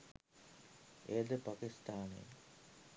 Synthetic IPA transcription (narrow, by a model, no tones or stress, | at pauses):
ed̪epakist̪aːnḛ